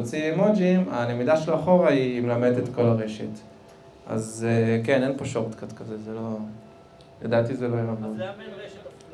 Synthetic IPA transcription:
t͡simod͡ʒimanemidaʃeloaχo̞ʁaimelamedet̪ko̞laʁe̞ʃet | ʔa̰zekenenpoʃo̞ʁet̪kat̪kazezelo̞ | jadat̪izelo̞jaavod

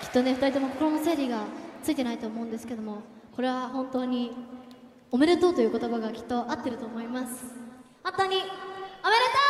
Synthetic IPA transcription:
kʲi̥t̪ːo̞ne̞ɸɯ̟t̪aɾʲit̪omoko̥koɾonose̞ːɾʲiɡat͡sɨit̪e̞nait̪o̞ːmo̞ɯ̃nd̪e̞sɨ̥ke̞d̪omo̞ko̞ɾe̞βahõ̞nt̪o̞ːɲ̟i | ome̞ɾet̪o̞ːt̪o̞jɯ̟ːko̞t̪o̞baɡakʲi̥t̪ːo̞ʔat̪ːe̞ɾɯ̟t̪oːmo̞imasɨ̥ | ãnt̪ːaɲ̟iome̞ɾet̪o

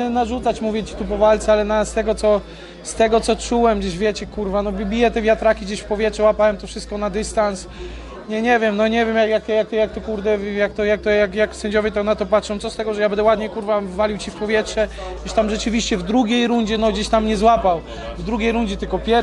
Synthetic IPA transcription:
ɛnaʐut̪sat͡ɕmuvʲjɛt͡ɕi̥t̪upɔvalt̪sɛalɛnast̪ɛɡɔt̪sɔ | st̪ɛɡɔt̪sɔt͡ʂuwɛmɡd͡ʑeʑvʲjɛt͡ɕɛkuɾvanɔbʲbʲijɛt̪ɛvʲjat̪ɾakʲiɡd͡ʑeɕfpɔvʲjɛtʂɛwapawɛmt̪ɔfʂɘst̪kɔnad̪ɘst̪ans | ɲɛɲɛvʲjɛmnɔɲɛvʲjɛmjakjak̚t̪ɔjak̚t̪ɔjak̚t̪ɛkuɾd̪ɛvjak̚t̪ɔjak̚t̪ɔjakjaksɛɲd͡ʑɔvʲjɛt̪ɔnat̪ɔpatʂɔ̃w̃tsɔst̪ɛɡɔʐɛjabɛnd̪ɛwad̪ɲɛkuɾvavːalʲiwt͡ɕifpɔvʲjɛtʂɛ | ɡd͡ʑeɕt̪amʐɛt͡ʂɘvʲiɕt͡ɕɛvd̪ɾuɡʲejɾuɲd͡ʑɛnɔɡd͡ʑeɕt̪amɲɛzwapaw | vd̪ɾuɡʲejɾund͡ʑɛt̪ɘlkɔpʲjɛ

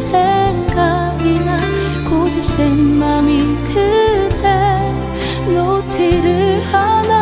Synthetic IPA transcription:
sʰeŋɡa | ɡina | kod͡ʑip̚s͈eŋnamitʰɯdʰe | not͡ɕʰiɾɯɭhada

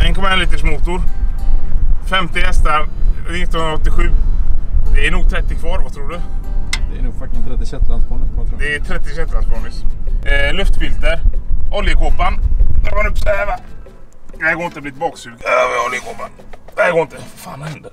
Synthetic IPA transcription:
ɛnkʰɔmːaɛnliːt̪əʂmut̪ʊɾ | fɛmt̪ɪɛst̪əɾnɪt̪ːɔnɵnɾɔt̪ːɪɧʉ̟ː | d̪ɛæɳuːɡ̚t̪ʰɾɛt̪ːɪkʰvɑːɾvat̪ʰɾuːɖɵd̪ɛænuːɡfat̪ɪst̪ɾɛt̪ːɪsɛt̪ːanspɔɳɪsat̪ʰɾd̪ɛɛt̪ʰɾɛt̪ːɪsɛt̪ːanskʰɔɳɪs | lɵft̪bɪlt̪əɾɔljəkʰoːpand̪ɛbanɵpsɛva | nɛɡoːɪnt̪əbliːt̪ʰɪbɑːksʉːɡɛɔljəkʰoːpand̪ɛɡoːɪnt̪əfa̰ːnɛnd̪ə

